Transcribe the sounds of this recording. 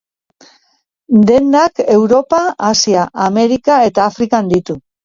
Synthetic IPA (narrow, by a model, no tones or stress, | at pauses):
d̪e̞nd̪ake̞wɾo̞paasiaʔame̞ɾikae̞t̪aːfɾikand̪it̪u